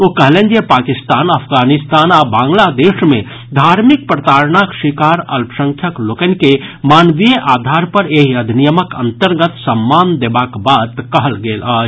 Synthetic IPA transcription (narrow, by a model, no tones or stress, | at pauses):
okəɦlẽnd͡ʒepaːkist̪aːnəpʰɡaːnist̪aːnabãːŋɡlad̪eːʃmẽ | d̪ʱaɾmik̚pɾət̪aːɾɳakʃikaːɾɐ̰lpsə̃ŋkʰjəklokənkemaːnʋijəʔaːd̪ʱaːɾpəɾeɦiəd̪ʱinijəməkə̰̃nt̪əɾɡət̪səmːaːnd̪eːbakbad̪kəɦəlɡeːlaːd͡ʒ